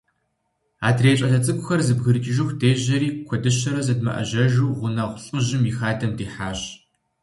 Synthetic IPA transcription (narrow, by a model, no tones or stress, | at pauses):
a̰ːdreːɕʼɐɮɐt͡sʼɨkʷʼʊxɐrzɨbɣɨɾɨkʲʰʼɪʒɪxʷdeːʑɐɾiːkʷʰɔdɨɕɐɾɐzɐdmɐ̰ʔɐ̰ʑɐʒuːʁʷʊnɐʁʷʊɬʼɨʑɪmixaːdɐmdiːħaːɕ